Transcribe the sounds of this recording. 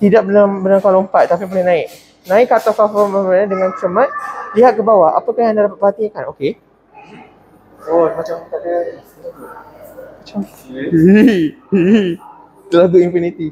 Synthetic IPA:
t̪idaʔ̚bəlambənakalompat̪̚ːapipbolɛnãɪk̚ | nãɪkːat̪ɔsafəməaadəŋãnsəmãt̪̚liɦat̪̚kəbawaa̰pəkãandadapat̪̚baɦat̪iakanoke | omat͡ʃama | mat͡ʃam | səlad̪uimfinit̪i

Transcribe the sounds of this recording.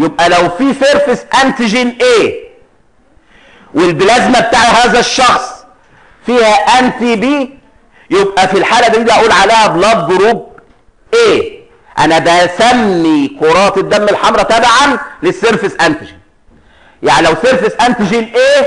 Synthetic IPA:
jebʔælæwfiːseɾfesʔænt̪iʒinʔeː | welbelæzmæbet̪aːʕhæːzæʃːɑxsˤ | fiːhæʔænt̪iːbiː | jebʔæfilħaːlæd̪iːd̪iʔæʔuːlʕaleːhæblɑd̪̚ɡʊɾuːb̚ | ʔeː | ʔæ̰næbæsæmːikoɾˤɑːt̪ed̪ːæmːelħɑmɾˤɑt̪æbʕanlesːeɾfɪsʔænt̪iʒin | ja̰ʕnilæwseɾfɪsʔænt̪id͡ʒinʔeː

